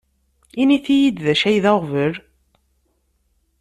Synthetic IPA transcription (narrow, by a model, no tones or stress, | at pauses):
iniθijid̪ðæʃæjðæʁvəɾ